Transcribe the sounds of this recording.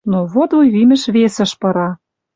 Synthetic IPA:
noβod̪lujβimɘ̆ʃβesə̆ʃpɤ̆ɾɑ

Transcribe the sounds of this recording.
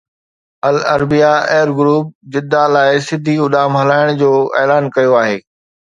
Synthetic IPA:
ɐlɐɾbijaɛːɾɡʊɾuːp̚d͡ʑɪd̪ʱːalaːɪsɪd̪ʱiʊɗ̪aːmɦɐlaːɪɽ̃d͡ʑoːɛːlaːnkɐjoaːɦeː

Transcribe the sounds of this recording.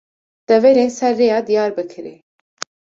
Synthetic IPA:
d̪̥ɛvɛɾeːnsɛrːeːjɑːd̪ijɑːɾbɨkʰɨɾḛː

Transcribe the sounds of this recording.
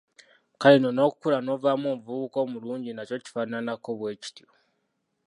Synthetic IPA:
kalino̞no̞ːku̥kulano̞vamoːɱvuβuko̞ːmuluːɲɟinaco̞ci̥faːnanako̞βwe̞ːci̥tjo

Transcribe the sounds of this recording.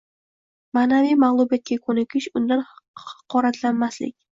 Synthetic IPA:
maːnavijmalˠʊbijat̪̚kʲakʰɵnɪkʲɪʃʊnd̪anhɑ̥qʰɒɾat̪ʰlanmaslɪ̰kʲ

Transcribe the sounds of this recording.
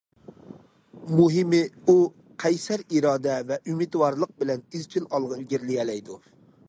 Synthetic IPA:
muɦɪmɪu | qʰɛjsæɾiɾɑːd̪ɛvɛʔymɪd̪wɑɾlˠəq̚bɪlɛnizkʲʰilɑlˠʁɑiɡʲiɾlɪjɛlɛjd̪u

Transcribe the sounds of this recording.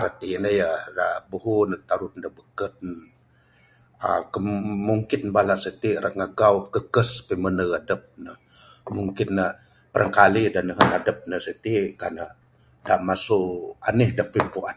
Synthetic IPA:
ɾat̪inəjadabuhunək̚t̪aɾut̪̚ndəbəkət̪̚n | akəmmuŋkɪnbalasət̪iɾʔə̰ŋaɡawkəkəspimənəadəp̚nə | muŋkɪnːə | pəɾʔəŋkalidanəɦənadəp̚nəsət̪ikanə | daʔmasuʔa̰nəhdapimpua

